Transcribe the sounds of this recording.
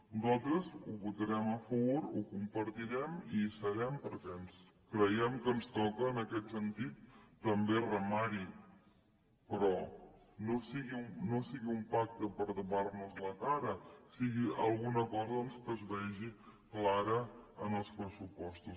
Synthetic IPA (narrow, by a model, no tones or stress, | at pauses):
nuzalˠt̪ɾəzuβut̪əɾɛməfəβuɾukumpəɾt̪iɾɛmisəɾɛmpəɾkɛns | kɾəjɛmkənst̪ɔkəːnəkɛt̪sənt̪it̪ːəmberəmaɾi | pɾɔnosiɣiumnosiɣiumpak̚t̪əpəɾðuβarnuzləkaɾəsiɣiəlˠɣunəkɔzəənskəzβɛʒiklaɾəənəlˠspɾəsupɔst̪u